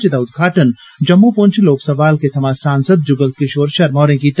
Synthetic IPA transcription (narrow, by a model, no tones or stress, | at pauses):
t͡ʃɪd̪aːʊd̪̚ɡʱaːʈən | d͡ʒɐmːupʊnt͡ʃʰloːksɐʋaːlket̪ʰɐmaːsaːnsəd̪̚d͡ʒʊɡəlt̪̚keʃoːɾʃɐɾmɔːɾẽkit̪